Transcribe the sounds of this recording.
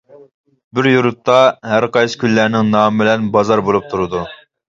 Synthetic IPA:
bɪɾjuɾut̪ʰːɑɦæɾqɑjsɨ̥kʲylːæɾnɪŋnɑːmɪbɪlɛnbɑzɑɾbolˠup̚t̪ʰuɾɨd̪u

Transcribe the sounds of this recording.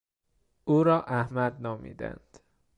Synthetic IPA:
uːɾɒːʔæhmæd̪nɒːmḭːd̪æ̰nd̪̥

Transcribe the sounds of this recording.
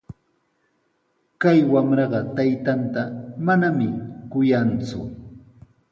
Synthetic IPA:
kajwamɾɑɢɑt̪ajt̪ant̪amanamɪkʊjant͡sʊ̰

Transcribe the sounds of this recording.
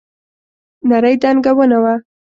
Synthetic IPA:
naɾəjd̪anɡawənawa

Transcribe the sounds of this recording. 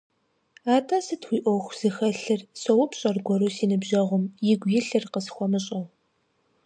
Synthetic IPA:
aːtʰaːsɨtxʷiːʔʷɔxʷz̥ɨxɐɬɨrsɐwʊpʰɕʼɐrɡʷɔɾuːsiːnɨbʒɐʁʷʊmjɪɡʷjɪɬɨrqəsxʷɔmɨɕʼɐw

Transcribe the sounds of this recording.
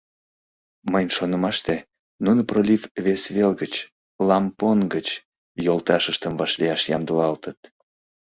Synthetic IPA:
məjnʃonəmɑʃt̪e | nunəprolʲivβesβelɡət͡ɕ | lɑmponɡət͡ɕ | jolt̪ɑʃəʃt̪əmvɑʃliɑʃjɑmd̪əlɑlt̪ət̪̚

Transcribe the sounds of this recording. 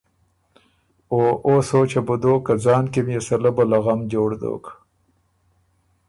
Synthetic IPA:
oːʔosoːt͡ʃebʊd̪oːkad͡zɑːnkimjesɐlabəlaɣamd͡ʒoːɽd̪o̰ːk

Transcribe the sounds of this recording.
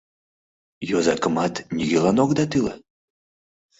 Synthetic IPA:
jozɑkəmɑt̪nʲiɣʲelɑnokd̪ɑt̪ɨlə̰

